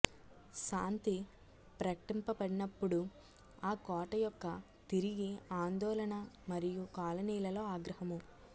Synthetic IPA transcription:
ʃaːnt̪i | pɾɐkɐʈimpɐpɐɽinɐpːuɽu | aːkɔːʈɐjɔkːɐ | t̪iɾiɡiaːnd̪ɔːlɐnɐmɐɾijukaːlɐniːlɐlo̞ːaːɡɾɐɦɐmu

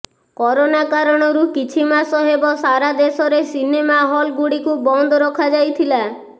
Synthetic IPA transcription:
kɔɾonakaɾɔɽ̃ɔɾukit͡ʃʰimasɔɦebɔsaɾad̪esɔɾesinemaɦɔlɡuɽikubɔnd̪ʱɔɾɔkʰad͡ʒajt̪ʰila

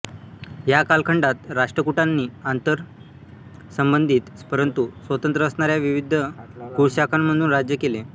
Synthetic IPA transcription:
jakalkʰəɳɖat̪ɾaʂʈɾəkuʈanːiːant̪əɾ | səmbənd̪ʱiːt̪pəɾənt̪usʋət̪ənt̪ɾəəsɳaɾjaʋiʋid̪ʱəkuɽɕakʰamːəd̪uːnɾad͡ʑjəkele

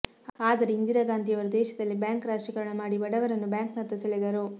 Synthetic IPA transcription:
aːd̪ɐɾeind̪iɾɐɡaːnd̪ʱijɐʋɐɾud̪ɛːʃɐd̪ɐlːibjaːŋkɾaːʃikɐɭɐɳɐmaːɽibɐɽɐʋɐɾɐnːubjaːŋknɐɾt̪ːisɐɭid̪ɐɾu

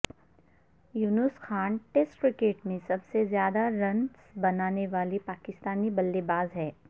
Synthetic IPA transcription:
juːnʊsxaːnʈesʈkɾɪkeːʈmẽsɐbsezjaːd̪aɾɐ̃nsbɐnaːneʋaːlipaːkɪst̪aːnibɐlːebaːzɦɛː

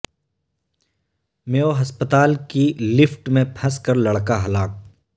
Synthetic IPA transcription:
meːoɦɐspət̪aːlkilɪfʰʈmẽpʰɐskəɾlɐɽkaɦɐlaːk̚

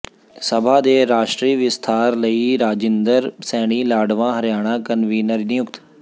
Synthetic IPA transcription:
səbʱaːd̪eːɾaːʃʈɾiːʋɪst̪ʰaːɾləiːɾaːd͡ʒɪ̃nd̪əɾsɛːɽ̃iːlaːɖʋãːɦəɾjaːɽ̃aːkənʋiːnəɾnɪjʊkt̪

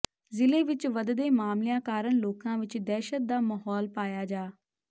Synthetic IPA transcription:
zɪleːʋɪt͡ʃʋəd̪d̪eːmaːmlɪjãːkaːɾəɳloːkãːʋɪt͡ʃd̪ɛːʃət̪̚d̪aːmaɦɔːlpaːjaːd͡ʒaː

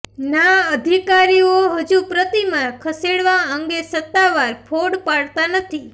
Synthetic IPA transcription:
naəd̪ʱikaɾioɦəd͡ʒupɾət̪imakʰəseɽʋãəŋɡesət̪ːaʋaɾpʰoɽpaɽt̪anət̪ʰi

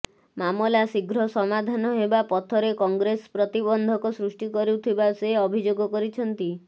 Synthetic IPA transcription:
mamɔlasiɡɾɔsɔmad̪ʱanɔɦebapɔt̪ʰɔɾekɔŋɡɾespɾɔt̪ibɔnd̪ʱɔkɔsɾusʈikɔɾut̪ʰibaseɔbʱid͡ʒoɡɔkɔɾit͡ʃʰɔnt̪i

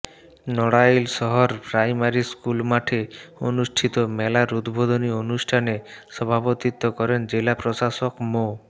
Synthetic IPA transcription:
nɔɽajlsɔɦɔɾpɾajmaɾiskulmaʈʰeo̰nusʈʰit̪ɔmɛlaɾud̪bod̪ɔnionusʈʰanesɔbʱabot̪it̪ːɔkɔɾend͡ʒelapɾosasɔkmo

